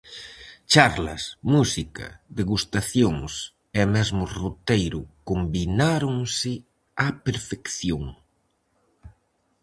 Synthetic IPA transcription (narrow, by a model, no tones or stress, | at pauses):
t͡ʃaɾlɐ̰smusikɐ̰ðeɣust̪aθjoŋs | ɛmɛzmʊrot̪ejɾʊkombinaɾʊŋsɪ | apeɾfekθjoŋ